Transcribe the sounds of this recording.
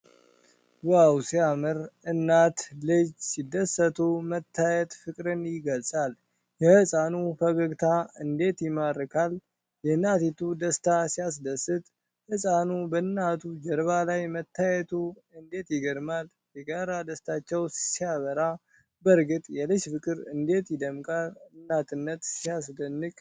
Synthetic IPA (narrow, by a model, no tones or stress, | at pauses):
wawsijamɨɾɨnːat̪lɨd͡ʒsid̪ːəsət̪ʰumət̪ʰːajɛt̪fɨkʼɾɨnjɪɡəlsʼal | jɛhɨsʼanufəɡəɡt̪ʰaɨnd̪e̞t̪jɪmaɾɨkʰal | jɛnat̪it̪ʰud̪əst̪ʰasijas̬d̪əsɨt̪ʼ | hɨsʼanubənːat̪ʰud͡ʒɛɾbalajmət̪ːajɛt̪ʰuɨnd̪e̞t̪jɪɡəɾmal | jɛɡaɾad̪əst̪ʰat͡ʃːɛwssijaβəɾa | bəɾɡɨt̪ʼjɛlɨʃfɨkʼɨɾɨnd̪e̞t̪jɪd̪əmkʼalɨnːat̪ʰɨnːət̪sijasd̪ənːɨkʼ